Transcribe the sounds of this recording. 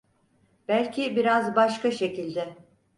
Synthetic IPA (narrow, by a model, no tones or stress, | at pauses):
b̥ælʲcʰibiɾazbaʃkaʃecilʲd̪ɛ